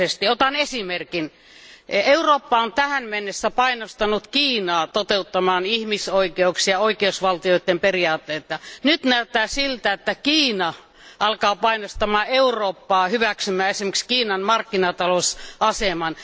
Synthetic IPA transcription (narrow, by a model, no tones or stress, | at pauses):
est̪iot̪ɑnesimerkin | euroːpːɑont̪æhænmenːesːæpɑinost̪ɑnut̪kiːnɑːt̪ot̪eut̪ːɑmɑːnihmisoikeuksiɑoikeusʋɑlt̪ioit̪ːemperiɑːt̪ːeːt̪ːɑnyt̪næyt̪ːæːsilt̪æet̪ːækiːnɑ | ʔɑlkɑːpɑinost̪ɑmɑːeuroːpːɑːhyʋæksymæːesimekskiːnɑnmɑrkːinɑt̪ɑlosɑsemɑn